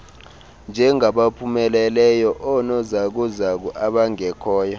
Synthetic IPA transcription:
nd͡ʒʱɛŋaɓapʰumɛlɛlɛjɔʔɔnɔzak̬uzak̬uʔaɓaŋɛkʰɔːja

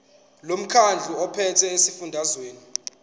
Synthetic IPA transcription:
lom̩kʰand͡ɮʱuɔpʰɛtʰɛesifundʱazweːni

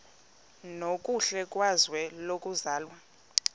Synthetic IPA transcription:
nokʼuɬɛkʼwazwɛlokʼuzaːlwa

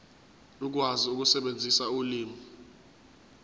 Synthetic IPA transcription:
luk̬waziuk̬usɛɓend͡zʱisauliːmi

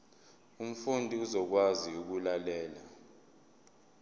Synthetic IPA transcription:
um̩fundʱiuzɔk̬waziuk̬ulalɛːla

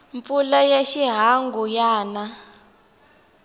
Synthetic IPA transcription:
mpulajaʃiɦaŋɡujaːna

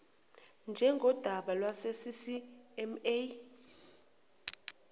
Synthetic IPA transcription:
nd͡ʒʱɛŋɡʱɔd̥ʱaɓalwasesisiɛme

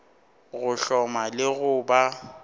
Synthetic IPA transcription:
ɣʊɬɔmalɪɣʊːba

